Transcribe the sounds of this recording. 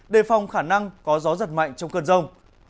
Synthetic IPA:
ɗe˧˩fa˨˩wŋ͡mxaː˧˩na˧ŋkɔ˨˦zɔ˨˦zə˨˩t̚ma̰˧˨jŋ̟t͡ɕɔ˧wŋ͡mkə˧nzə˧wŋ͡m

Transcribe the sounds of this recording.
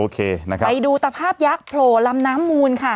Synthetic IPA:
oː˧kʰeː˧na˦kʰa˦˧jduː˧t̪a˧pʰaː˥˩p̚ja˦˥k̚pʰloː˨˩la˧mnaː˦˥mːuː˧nkʰa˥˩

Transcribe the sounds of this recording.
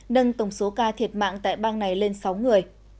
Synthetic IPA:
ɗə˧ŋt̪ə˧˩wŋ͡mso˨˦kaː˧t̪ʰi˨˩ət̚ma̰ː˧˨ŋt̪a̰ː˧˨jɓaː˧ŋna˨˩jle˧nsa˨˦wŋɨ˨˩əj

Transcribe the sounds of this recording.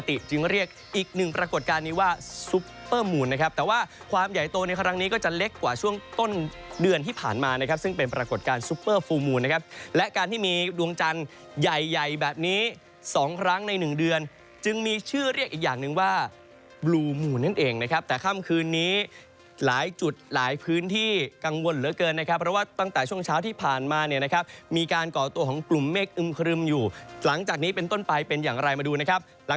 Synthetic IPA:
a˧t̪i˨˩t͡ɕɯ˧ŋɾi˥˩ək̚ʔiː˨˩k̚nɯ˨˩ŋpɾa˧ko˨˩t̪̚kaː˧nːiː˦˥waː˥˩su˦˥pːɤː˥˩muː˧˩nːa˦˥kʰa˦˥p̚t̪ɛː˨˩waː˥˩ | kʰwaː˧mja˨˩jt̪oː˧na˧jkʰɾa˦˥ŋniː˦˥kɔː˥˩t͡ɕa˨˩le˦˥kːwaː˨˩t͡ɕʰu˥˩əŋt̪o˥˩n | dɯ˧ənt̪ʰiː˥˩pʰa̰ː˨˩nmaː˧na˦˥kʰa˦˥p̚sɯ˥˩ŋpe˧npɾa˧ko˨˩t̪̚kaː˧nsuː˦˥pːɤː˥˩foː˧muː˧nːa˦˥kʰa˦˥p̚lɛ˦˥ʔkaː˧nt̪ʰiː˥˩miː˧du˧əŋt͡ɕa˧n | ja˨˩jːa˨˩jbɛː˨˩p̚niː˦˥ | sɔː˩˦ŋkʰɾa˦˥ŋna˧jnɯ˨˩ŋdɯ˧ən | t͡ɕɯ˧ŋmiː˧t͡ɕʰɯː˥˩ɾi˥˩k̚ʔiː˨˩k̚jaː˨˩ŋnɯ˨˧ŋwaː˥˩ | bluː˧muː˨˩na˥˩nʔeː˧ŋna˦˥kʰa˦˥p̚t̪ɛː˨˩kʰa˥˩mkʰɯː˧nːiː˦˥ | laː˩˦jt͡ɕu˨˩t̪̚laː˩˦jpʰɯː˦˥nt̪ʰiː˥˩ka˧ŋwo˧nɾɯː˩˦ɐkɤː˧nːa˦˥kʰa˦˥pʰːɾɔ˦˥waː˥˩t̪a˥˩ŋt̪ɛː˨˩t͡ɕʰu˥˩əŋt͡ɕʰaː˦˥wt̪ʰiː˥˩pʰaː˨˩nmaː˧ni˥˩ɐna˦˥kʰa˦˥p̚miː˧kaː˧nkɔː˨˩t̪u˧əkʰɔː˩˦ŋklu˨˩mːeː˥˩k̚ʔɯ˧mkʰɾɯ˧mjuː˨˩la˩˦ŋt͡ɕaː˨˩k̚niː˦˥pe˧nt̪o˥˩npa˧jpe˧njaː˨˩ŋɾa˧jmaː˧duː˧na˦˥kʰa˦˥p̚ | l

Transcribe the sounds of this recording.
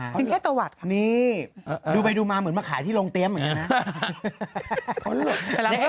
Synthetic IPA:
t͡ɕi˧kʰɛː˥˩t̪u˧wa˨˩t̪̚kʰa˦niː˦˥˩duː˧˩pa˧jduː˧maː˧mɯ˩˦ə˦nmaː˧˩kʰaː˨˩˦jt̪ʰiː˥˩lo˧ŋt̪i˧əmɯ˨˩˦nka˧˦na˧˦˥ | kʰo˦˥nlo˨˩˧

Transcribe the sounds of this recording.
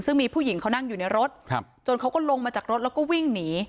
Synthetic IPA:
sɯ˥˩ŋmiː˧pʰuː˥˩ji˩˦ŋkʰa˥wna˥˩ŋjuː˨˩na˧jɾo˦˥t̪̚ʰ | t͡ɕo˧nkʰa˦˥wkɔː˥˩lo˧ŋmaː˧t͡ɕaː˨˩k̚ɾo˦˥t̪̚lɛː˦˥wkɔː˥˩wi˥˩ŋniː˩˦

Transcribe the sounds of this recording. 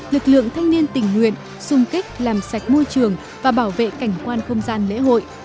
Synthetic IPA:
lɨ˨˩k̚lɨ̰˧˨əŋt̪ʰa˧jŋ̟ni˧ənt̪ï˨˩ŋ̟ŋwḭ˧˨ən | sʊ˧ŋ͡mkï˦˥k̟̚laː˨˩msa˨˩jk̟̚mo˧jt͡ɕɨ˨˩əŋ | vaː˨˩ɓaː˧˩wvḛ˧˨ka˧˩jŋ̟kwaː˧nxə˧wŋ͡mzaː˧nlḛ˧˥ɦo̰˧˨jʔ

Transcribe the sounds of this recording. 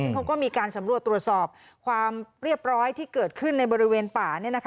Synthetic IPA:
ŋŋkʰa˦˥wkɔː˥˩miː˧kaː˧nsa˩˦mɾu˨˩ət̪ːɾu˨˩ət̪̚sɔː˨˩p̚ | kʰwaː˧mɾi˥˩əp̚ɾɔː˦˥jt̪ʰiː˥˩kɤː˨˩t̪̚kʰɯ˥˩nːa˧jbɔː˧ɾi˦˥weː˧npaː˨˩ni˥˩ɐna˦˥kʰ

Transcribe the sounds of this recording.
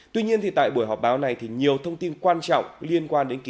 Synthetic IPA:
t̪wi˧ɲi˧ənt̪ʰi˨˩t̪a̰ː˧˨jɓu˧˩əjɦɔ˨˩k͡p̚ɓaː˨˦wna˨˩jt̪ʰi˨˩ɲi˨˩əwt̪ʰə˧wŋ͡mt̪i˧nkwaː˧nt͡ɕɔ̰˧˨wŋ͡mli˧ənkwaː˧nɗe˨˦nki˧

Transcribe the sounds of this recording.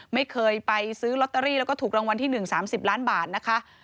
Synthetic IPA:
ma˥˩jkʰɤː˧jpa˧jsɯː˦˥lɔ˦˥t̪̚ːa˧ɾiː˥˩lɛ˦˥kɔː˥˩t̪uː˨˩ɾaː˧ŋwa˧nt̪ʰiː˥˩nɯ˨˩ŋsaː˩˦msi˨˩p̚laː˦˥nbaː˨˩t̪̚na˦˥kʰa˦˥ʔ

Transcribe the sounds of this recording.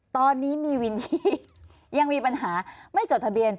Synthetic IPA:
t̪ɔː˧nːiː˦˥miː˧wi˧nji˧˦ | ja˧ŋmiː˧pa˧nɦaː˩˦ma˥˩jt͡ɕo˨˩t̚t̪ʰa˧bi˧ən

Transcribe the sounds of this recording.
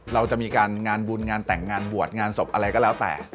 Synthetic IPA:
ɾa˧wt͡ɕa˨˩ʔmiː˧kaː˧nŋaː˧nbuː˧nŋaː˧nt̪ɛ˨˩ŋːaː˧nbu˨˩ət̪̚ŋaː˧nso˨˩p̚ʔa˧ɾa˧jkɔː˥˩lɛː˦˥wt̪ɛ̰ː˨˩

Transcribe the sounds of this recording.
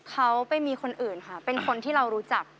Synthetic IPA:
kʰa˦˥wpa˧jmiː˧kʰo˧nʔɯː˨˩nkʰa˦˥˩pe˧nkʰo˧nt̪ʰiː˥˩ɾa˧wɾuː˦˥t͡ɕa˨˩k̚

